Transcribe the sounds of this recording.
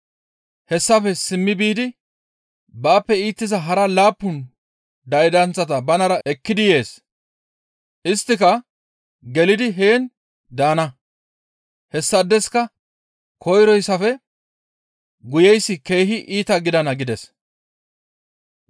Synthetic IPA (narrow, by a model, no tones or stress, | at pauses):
hɛsːɐfɛsɪmːɪbiːd̪ɪ | baːpːɛiːt̪ːɪzɐɦɐɾɐlaːpːʊn | d̪ɐjd̪ɐnt͡sːɐt̪ɐbɐnɐɾɐɛkːɪd̪ɪje̞ːs | ʔɪst̪ːɪkɐ | ɡɛlɪd̪ɪɦeːn | d̪aːnɐ | hɛsːɐd̪ːɛskɐ | kʰɔjɾɔjsːɐfɛ | ɡʊjɛjsːɪke̞ːɦɪʔiːt̪ɐɡɪd̪ɐnɐɡɪd̪ɛs